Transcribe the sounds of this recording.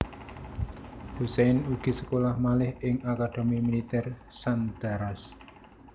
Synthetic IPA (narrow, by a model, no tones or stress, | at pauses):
huseɪnuɡ̥i̤sə̥kolahmalɪhɪŋakaɖ̪̥e̤mimilit̪ɛrsand̪̥a̤ɾas